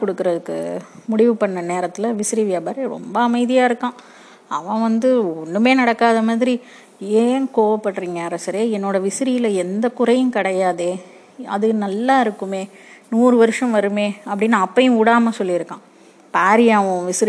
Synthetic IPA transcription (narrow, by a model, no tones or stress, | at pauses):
kɔɽɯkːɯɾɐðɯkːɯ̰mʊɽɪʋɯpɐɳːɐneːɾɐt̪ːɪlɐʋɪsɪɾiʋɪjabɐɾeɾɔ̰mbɐɐmɐɪðɪjaːɪɾɯkːãː | ɐʋɐ̃ʋɐnd̪ɯɔɳːɯmeːnɐɽɐkːaːðɐmaːðɪɾi | eːnkoːʋɐpːɐʈːɾiːŋɡɐɐɾɐsɐɾeːɛnːoːɽɐʋɪsɪɾɪjɪlɐɛnd̪ɐkʊɾɐjɯ̃nkɪɽɐjaːðeː | ɐ̰ðɯnɐlːaːɪɾɯkːɯmeːnuːɾɯʋɐɾɯʂɐ̃mʋɐɾɯmeːɐpːɐɽɪnːaːpːɐjʊ̃ʊɽaːmɐsɔlːɪɪɾɯkːãː | paːɾɪjaːʋɐ̃ʋɪsɪɾ